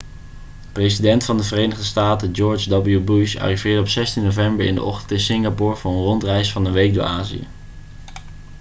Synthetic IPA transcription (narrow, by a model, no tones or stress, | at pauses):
prejsidɛntfɑndəvərejnəχdəstaːtəd͡ʒɔɹd͡ʒdɑblˠjubuʃa̰ːrivɪːɹdəɔpsɛstinːovɛmbəɹɪ̰ndə̰ʔɔχtəntɪnsɪŋɡapɔːɹvʊːɹənrɔntrɛjsfɑnəʋejk̚dʊ̰ːɹaːzḭjə̰